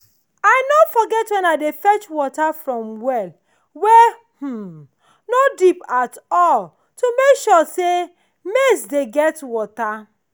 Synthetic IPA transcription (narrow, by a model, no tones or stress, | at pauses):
aɪnofɔɡɛtwɛ̃naɪdefɛt͡ʃwɔtafɹɔ̃mwɛl | wɛ | h̩ | nodipatɔl | tumekʃɔse | mesdeɡɛtwɔta